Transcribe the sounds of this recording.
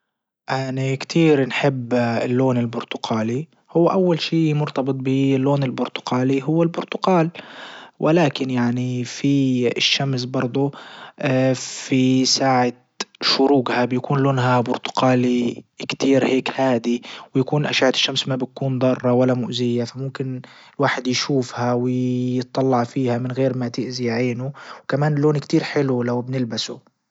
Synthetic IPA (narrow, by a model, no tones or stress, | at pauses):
ʔaʕnakt̪ʰiːɾnħɪbːɪlːoːnɪlbʊɾt̪ʊqaːli | hʊwːaʔawːalʃiːmʊɾt̪ɑbɨt̪ˤbɪlːoːnɪlbʊɾt̪ʊ̥ɡaːliɦʊwːalbʊɾt̪ʊɡaːlwʔɪlaːkɪnjaʕnifiʃːamsbɑɾˤd̪ˤʊ | fisaːʕa | ʃʊɾuːɡhabjakuːnloːnɦabʊɾt̪ʊ̥qaːlikt̪iːɾheːkhaːd̪iwɪjakuːnʔaʃaːʕaɪ̥ʃːamsmabɪkuːnd̪ˤɑrˤːɑwalːamʊʔzɪjːafamʊmkɪnɪlwaːħɪd̪jʃuːfhawɪjɨt̪ˤːɑlːɑʕfiːhamɪnɣeːɾmat̪ɪʔzijaʕiːnʊwkamaːnlːoːnkt̪iːɾħɪlulawbnɪlbasṵ